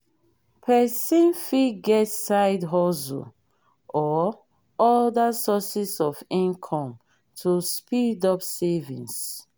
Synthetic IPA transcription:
pʰɛsĩnfiɡɛtsaɪdɦɔso̰ | ɔ | ɔdasɔsisɔfĩnkʰɔ̃m | tʰuspidɔpsɛvḭ̃ns

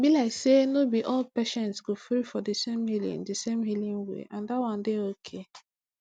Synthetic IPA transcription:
bilaɪksenobiʔɔlpeʃɛ̃ntsɡofɾifɔdisemhilḭ̃ndisemɦilĩŋwḛʔãndatwãndeokʰe

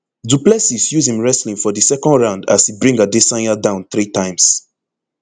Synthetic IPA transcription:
duplɛsisjuzĩmɹɛslĩŋfɔðisɛkɔ̃ndɹãʊ̃nda̰sibɹĩŋɡadesãnadãʊ̃nθɹitʰãɪ̃ms

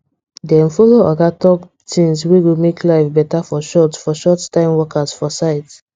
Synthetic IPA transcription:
dɛ̃nfɔloaɡatɔk | tʰĩnswewimeklaɪvbɛtafɔʃɔtsfɔʃɔttãɪ̃mwɔkʰasfɔsaɪt

